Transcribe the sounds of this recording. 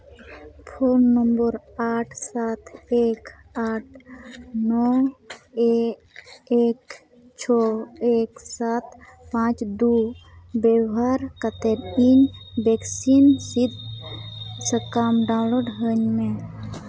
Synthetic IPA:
pʰoːnːəmbəɾaːʈʰsaːt̪ʰek | aːʈ̚ʰnɔ | e | ek | t͡ʃʰɔeksat̪pãt͡ʃd̪ubeɦaɾkət̪eɾinbeksinsid̪ | səkamɖãloɖɦənmẽ

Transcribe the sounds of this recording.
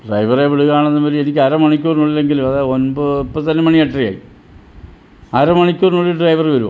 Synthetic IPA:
ɖrɐjʋɐreʋiɭuɣaːɳenːɐpɐɾienik̬ʲːɐɾɐmɐɳikʲːuːrnuɭːilːeŋɡiluɐðaonbɨipːɐt̪ːɐnːemɐɳieʈrija̰ːjḭ | ɐɾɐmɐɳikʲːoːrnuɭːiɖrɐjʋɐrʋɐɾuʋɐ̰

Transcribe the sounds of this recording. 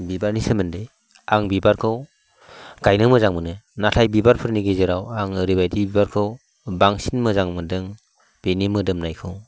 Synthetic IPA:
bibaɾnisɯmɯnde | aŋbibaɾkʰɯw | ɡ̥ajnɯmɯzaŋmɯnɯnatʰajbibaɾpʰɯɾniɡezɯɾawaŋɯɾibajdibibaɾkʰɯw | baŋsinmɯzaŋmɯdɯŋ | b̥enimɯdɯmnajkʰɯw

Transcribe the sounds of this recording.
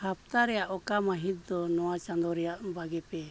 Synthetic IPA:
hap̚t̪aɾɛjaʔɔkamaɦit̪̚d̪ɔnɔwat͡ʃand̪ɔɾɛjaʔbaɡɛpɛ

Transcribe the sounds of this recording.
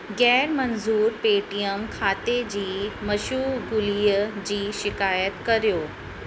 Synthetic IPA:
ɡɛːɾmɐnzuːɾpeːʈijəmkʰaːt̪ed͡ʑiːmɐʃuːɡʊliːəd͡ʑiːʃɪkaːjət̪kɐɾijoː

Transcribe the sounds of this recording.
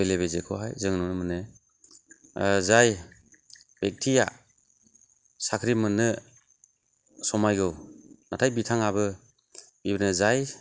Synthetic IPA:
beleβezekʰɔ̰ɦa̰jzɯŋnɔnɯmɯnɯ | zaj | b̥ek̚tʰija̰ | sakʰɾimɯnɯ | sɔmajɡɯwnatʰajbitʰaŋabɯ | bibɯnɯzaj

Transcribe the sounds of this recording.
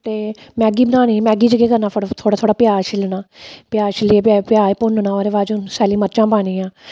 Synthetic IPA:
t̪eːmɛːɡiːbənaːñiːmɛ̃ːɡiːd͡ʒəɡeːkəɾnãːfəɽt̪ʰoːɽaːt̪ʰoːɽaːpɪjaːt͡ʃʰɪlnaːpjaːt͡ʃʰɪlĩːpapjaːpʊnnãːoɾeːʋaːd͡ʒʊnsɛːliːməɾt͡ʃãːpaːɽ̃ĩːãː

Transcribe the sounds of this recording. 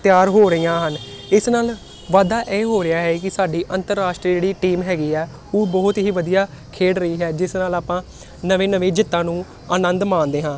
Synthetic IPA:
t̪ɪjaːɾɦoːɾəijãːɦənɪsnaːl | ʋaːd̪aːʔɛːɦoːɾɪaːɦɛːkɪsaːɖiːʔənt̪əɾːaːʃʈɾiːd͡ʒeːɽiːʈiːmɦɛːɡiːɛː | oːbɔːt̪ɦiːʋəd̪ijaː | kʰeːɽɾəiːɦɛːd͡ʒɪsnaːlaːpãː | nəʋẽːnəʋẽːd͡ʒɪt̪ːãːnũː | əːnənd̪mãːnd̪eːɦãː

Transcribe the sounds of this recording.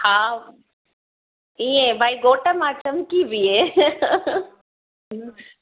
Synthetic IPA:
haː | iẽbʱaːiɡoːʈəmãt͡ɕɐmkibʱie

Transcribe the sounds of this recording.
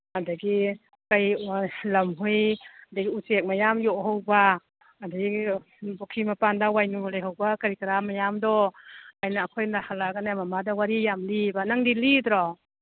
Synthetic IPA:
adaɡi | kajlamɦujadaɡiusek̚majamjɔʔɦawba | adaɡi | bɔkʰimapandawajnulajɦawbakaɾikaɾamajamdɔajnaːkʰɔjnahalaɡanamamadawaɾijamlibanaŋdilidɾɔ

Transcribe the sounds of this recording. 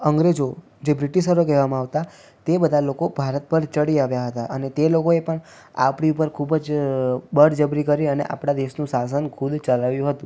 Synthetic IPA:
əŋɡɾed͡ʒo | d͡ʒebɾiʈiʃəɾokɛɦʋamãaʋt̪a | t̪ebəd̪ʱalokobʱaɾət̪̚pəɾt͡ʃəɽiaʋjaɦət̪aʔənet̪elokoepəɳ | a̰pɽiupəɾkʰubd͡ʒbəɽd͡ʒəbɾikəɾiənḛʔa̰pɽad̪eʃnũsas̬ənkʰud̪t͡ʃəlaʋjũɦət̪ũ

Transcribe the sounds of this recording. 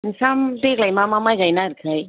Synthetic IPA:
nsamd̪eklajmãmamajɡajnaɾkʰaj

